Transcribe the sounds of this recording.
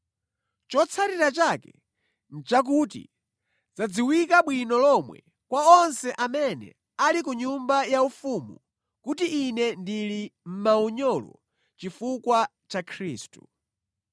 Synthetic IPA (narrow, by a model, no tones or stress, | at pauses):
t͡ʃɔt͡sʰaɾiɾat͡ʃakɛ | n̩t͡ʃak̬utḭ | d͡zad͡ziwikaɓwinɔlɔmwɛ̰ | kwaɔnsɛʔamɛnɛ̰ | alikuɲumbajaufumu | kutiʔːnɛndilim̩mauɲɔlɔ̰ | t͡ʃifukwa | t͡ʃakʰɾḭːstu